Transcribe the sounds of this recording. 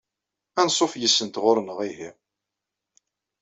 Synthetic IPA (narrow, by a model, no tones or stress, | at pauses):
ænsˤofjəsːənt̪ʁoɾˤnəʁihi